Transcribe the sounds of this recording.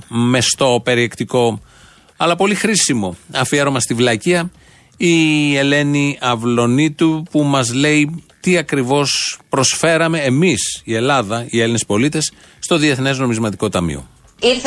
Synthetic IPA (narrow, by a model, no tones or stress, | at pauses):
me̞st̪o̞pe̞ɾie̞kt̪iko̞ | ɐlɐpo̞lixɾisimo̞ɐfieɾo̞mɐst̪ivlɐciɐ | ie̞le̞niɐvlo̞nit̪upumɐzle̞it̪iɐkɾivo̞spɾo̞sfe̞ɾɐme̞ːmisie̞lɐðɐie̞line̞spo̞lit̪e̞sː | t̪o̞ðie̞θne̞zno̞mizmɐt̪iko̞t̪ɐmḭo̞̰ | iɾ